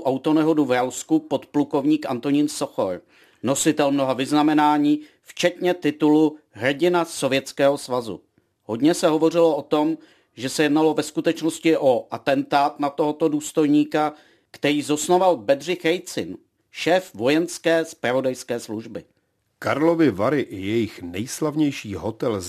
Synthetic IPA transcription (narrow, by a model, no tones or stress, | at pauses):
ʔawt̪o̞nɛɦo̞duvɾawskupo̞t̪pluko̞vɲiːkʔa̰nt̪o̞ɲiːnsoxo̰ɾ | no̞sɪt̪ɛlmno̞ɦavɪznamɛnaːɲiː | ft͡ʃɛt̪ɲɛt̪ɪt̪uluɦr̩ɟɪnaso̞vjɛt͡skɛːɦo̞svazṵ | ɦo̞dɲɛsɛɦo̞vo̞r̝ɪloʔot̪o̞m | ʒɛsɛjɛdnalo̞vɛskut̪ɛt͡ʃnoscɪʔoʔat̪ɛnt̪aːt̪nat̪o̞ɦot̪o̞duːst̪o̞jɲiːka | kt̪ɛɾiːzo̞snovalbɛdr̝ɪxɾɛjt͡sɪn | ʃɛːfvo̞jɛnskɛːspɾavo̞dajskɛːsluʒbɪ | kaɾlovɪvaɾɪʔɪjɛjɪxnɛjslavɲɛjʃiːɦot̪ɛl